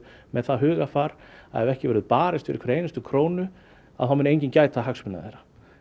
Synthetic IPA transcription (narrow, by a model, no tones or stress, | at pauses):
mɛðθaðɦʏːɣafaɾa̰ɛvɛhcɪvɛɾʏðpaːɾɪst̪fɪɾɪ̰kʰvɛɾeːjnast̪ʏkʰɾoːwnʏ | a̰ðθawmɛneːjɲcɪncaːjt̪aɦakspʏna̰ðḛjɾa